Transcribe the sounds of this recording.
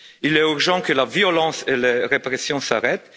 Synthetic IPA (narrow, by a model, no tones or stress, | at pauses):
ilɛyʁʒɑ̃kəlavjolɑ̃seleʁepʁesjɔ̃saʁɛt̪